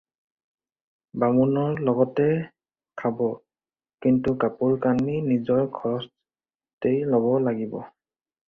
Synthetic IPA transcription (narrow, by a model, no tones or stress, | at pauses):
bamunɔɹlɔɡɔtɛ | kʰabɔ | kintukapulkaninizɔɹkʰɔɹɔs | tejlɔbɔlaɡibɔ